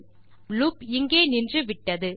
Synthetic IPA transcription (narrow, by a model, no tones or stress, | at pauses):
luːpɪŋɡeːnɪndrɯʋɪʈːɐðɯ